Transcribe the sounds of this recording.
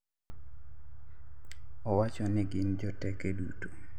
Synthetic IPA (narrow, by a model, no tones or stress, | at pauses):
ɔwat͡ʃɔnɪɡɪnd͡ʒɔtɛkeduto̥